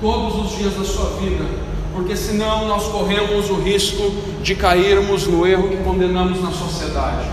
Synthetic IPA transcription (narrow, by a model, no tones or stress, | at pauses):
t̪od̪ʊzʊzd͡ʒiɐzd̪ɐsuɐvid̪ɐ | poɾkesɪnɐ̃w̃nɔskoɦẽmʊzʊɦiskʊ | d͡ʒɪkaiɾmʊznʊeɦʊɪkõnd̪ẽnɐ̃ɾmʊznɐsosied̪ad͡ʒɪ